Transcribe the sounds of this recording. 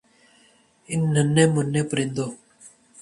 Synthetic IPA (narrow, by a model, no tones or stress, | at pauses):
ɪnːənːẽːmʊnːẽːpəɾɪ̃nd̪oː